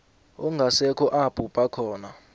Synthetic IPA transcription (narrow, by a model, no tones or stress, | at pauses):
uŋɡʱasɛkʰɔʔab̥ʱʼupʼakʰɔːna